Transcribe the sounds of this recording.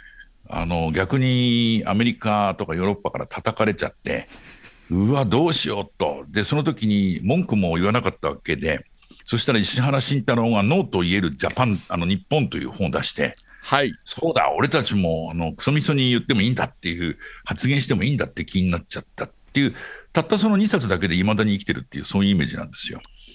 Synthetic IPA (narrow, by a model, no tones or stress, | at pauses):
a̰no̞ɡʲakɯ̟ɲ̟ia̰me̞ɾʲikat̪o̞kajo̞ːɾo̞pːakaɾa̰t̪ʰat̪akaɾe̞t͡ɕa̰t̪ːe̞̰ | ɯ̟βad̪o̞ːɕijo̞t̪ːo̞̰d̪e̞so̞no̞t̪̬o̞kʲiɲ̟imõ̞ŋkɯ̟mo̞iβanakat̪ːaβake̞d̪e̞ | so̞ɕi̥t̪aɾaiɕiɦaɾaɕĩnt̪aɾõ̞ɡano̞ːt̪o̞ie̞ɾɯ̟d͡ʑapãnano̞ɲ̟ipːõ̞nt̪o̞jɯ̰ːhõːd̪aɕi̥t̪e̞̰ | haiso̞ːd̪a̰o̞ɾe̞t̪at͡ɕimo̞ano̞kɯ̥so̞mʲiso̞ɲ̟ijɨt̪ːe̞mo̞ĩːnd̪at̪ːe̞ɯ̟hat͡sɨɡẽɕi̥t̪e̞mo̞ĩːnd̪at̪ːe̞kʲiɲ̟inat͡ɕat̪ːat̪ːe̞jɯ̟ːt̪at̪ːaso̞noɲ̟isat͡sɨd̪ake̞d̪eimad̪aɲ̟ikʲi̥t̪e̞ɾɯ̟t̪ːejɯ̟ːsoːjɯ̟ime̞̰ːʑinã̰nd̪e̞̥sɨjo̞̰